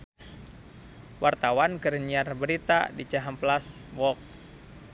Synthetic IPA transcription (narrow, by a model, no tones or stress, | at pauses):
wart̪awankəɾəniarbəɾit̪a̰dit͡ʃaɦamplaswɔk̚